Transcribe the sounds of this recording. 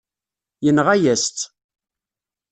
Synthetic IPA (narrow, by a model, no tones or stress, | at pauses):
jənʁæjæst̪